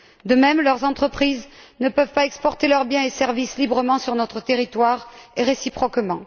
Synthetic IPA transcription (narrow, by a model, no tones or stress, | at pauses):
d̪əmɛmlœʁzɑ̃t̪χəpχiznəpœvpaɛkspɔʁt̪elœʁbjɛ̃esɛʁvislibʁəmɑ̃syʁnɔt̪χət̪eʁit̪waʁeʁesipχɔkmɑ̃